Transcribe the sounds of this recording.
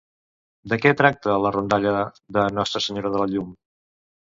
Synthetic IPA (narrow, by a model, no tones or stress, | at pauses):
d̪əkɛt̪ɾak̚t̪ələrund̪aʎə | ðənɔst̪ɾəsəɲoɾəðələʎum